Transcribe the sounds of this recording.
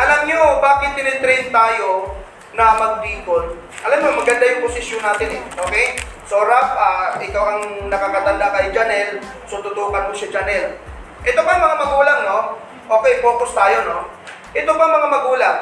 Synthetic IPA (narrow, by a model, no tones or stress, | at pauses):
ʔɐlamɲobaːkɪt̪̚ːɪnɪnt̪ɾɛjnt̪aːjo̞ | nɐmɐɡ̚d̪iːbon | ʔɐlamɲomɐɡɐnd̪ajʊŋposɪʃjonːaːt̪ɪnɛʔo̞ːkɛjsoːɾap̚ʔaːʔɪkawɐŋnɐkakɐt̪ɐnd̪akɐjd͡ʒɐnɛl | sot̪ʊt̪uːkɐnmoʃad͡ʒɐnɛl | ʔɛt̪opɐŋmɐŋamɐɡuːlaŋno̞ | ʔo̞ːkɛjpoːkost̪aːjo̞no̞ | ʔɛt̪opɐŋmɐŋamɐɡuːlaŋ